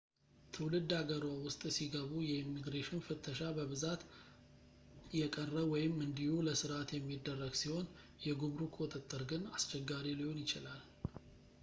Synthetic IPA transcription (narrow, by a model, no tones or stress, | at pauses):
t̪ʰɨwlɨd̪ːaɡəɾawʊst̪ʼsiɡəβujɛimːiɡɾeʃnfɨt̪ʰːəʃabəβɨzat̪ | jɛkʼərːəwɔjɪmːɨnd̪ihuləsɨɾat̪jɛmːid̪ːərːəɡsiho̞n | jɛɡuβɾukʰwɔt̪ʼɨt̪ʼːɨɾɡɨnast͡ʃɛɡːaɾiliho̞njɪt͡ʃɪlal